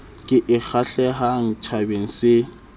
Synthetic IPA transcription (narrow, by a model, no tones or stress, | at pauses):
kʼɪʔɪk͡xʰaɬɛɦaŋ̩t͡ʃʰabeŋ̩sɪ